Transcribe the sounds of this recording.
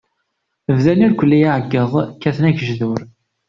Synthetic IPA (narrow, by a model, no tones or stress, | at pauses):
əvðæniɾkʷəlːijaʕəɡːəðˤkːæθnæçəʒðʊɾ